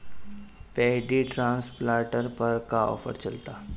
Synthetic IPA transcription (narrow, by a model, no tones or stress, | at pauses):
pɛːɦɖiʈɾãːnsplaːʈəɾpɐɾkaɔ̰ːfʰə̰ɾt͡ʃɐlt̪aː